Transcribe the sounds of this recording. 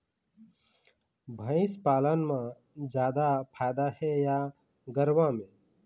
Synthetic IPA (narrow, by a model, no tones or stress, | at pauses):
bʱə̃ɪspaːlənmã | d͡ʒjaːd̪apʰaːjd̪ahɛja | ɡəɾʋãmẽ